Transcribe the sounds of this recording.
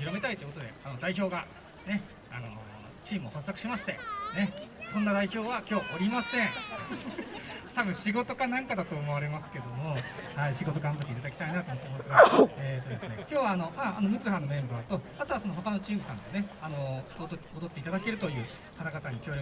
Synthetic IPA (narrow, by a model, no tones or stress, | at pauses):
çiɾo̞me̞t̪ait̪eiɯkot̪o̞d̪e̞anod̪aiço̞ːɡa | ne̞ | ano̰ | t͡ɕiːmɯ̟oho̞sːakɯ̟ɕimaɕi̥t̪e̞ne̞sõ̞nːad̪aiço̞ːβakʲo̞ːʔoɾʲimasẽ̞ɴ̃ | sabɯ̟̃ɕiɡo̞t̪o̞kanãŋkad̪at̪o̞ːmo̞βaɾe̞masɨ̥ke̞d̪o̞mo̞haiɕiɡo̞t̪o̞ɡãmbat̪ːeit̪ad̪akʲi̥t̪ainat̪omot̪ːmnd̪esɨɡaeːt̪ːo̞d̪e̞sɨne̞kʲo̞ːβaːno̞haanomɯ̟t͡sɨɦanomẽ̞mbaːt̪o̞ | at̪oasonoɦo̞kano̞t͡ɕiːmbɯ̟sãnd̪e̞ne̞ano̞od̪o̞t̪ːe̞it̪ad̪ake̞ɾɯ̟t̪o̞jɯ̟ː | kat̪aɡat̪aɲ̟ikʲoːɾjo